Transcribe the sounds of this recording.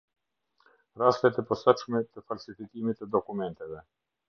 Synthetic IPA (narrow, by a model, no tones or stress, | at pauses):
ɾast̪ɛt̪ɛpɔsaʃmɛt̪əfalʲsifikimit̪ːəd̪ɔkumɛnt̪ɛvɛ